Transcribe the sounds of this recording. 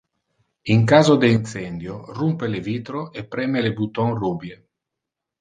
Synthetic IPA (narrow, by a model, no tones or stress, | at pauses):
iŋkaːzod̪eint̪sɛnd̪jorumpeleviːt̪ɾoepːɾɛːmelebut̪ɔŋruːbje